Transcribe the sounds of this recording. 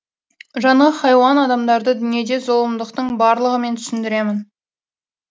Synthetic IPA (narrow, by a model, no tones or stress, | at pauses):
ʒɑɴɑχɑjwɑnɑd̪ɑmd̪ɑɾd̪əd̪ʏnije̞d̪e̞zo̞lˠəmd̪əqt̪əɴbɑɾlˠəʁəme̞nt̪ʰʏ̥sɪnd̪ɪɾe̞mɪn